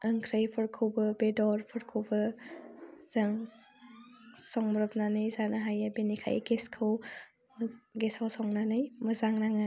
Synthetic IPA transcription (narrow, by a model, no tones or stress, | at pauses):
əŋkʰɾɯjpʰɯɾkʰɯwbɯbedɔɾpʰɯɾkʰɯwbɯ | z̥ɐŋ | sɔŋmɾɔp̚nanɯjzanaɦajabenikʰa̰jʔɡeskʰɯw | ɡesawsɔŋnanɯjmɐzaŋɾaŋɯ